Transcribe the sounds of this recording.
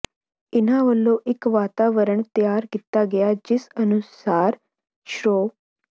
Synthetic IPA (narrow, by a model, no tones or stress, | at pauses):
ɪnaʋɐlːoʔɪkʋaːt̪aːʋəɾəɳt̪jaːɾɡɪt̪ːaɡɐjad͡ʒɪsənusaːɾ | ʃɾoː